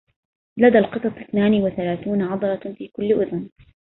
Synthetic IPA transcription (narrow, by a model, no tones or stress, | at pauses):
lad̪alqɨsˤɑsˤɪθnaːniwaθalaːθuːnʕɑd̪ˤɑɾˤɑfiːkʊlːʔʊðn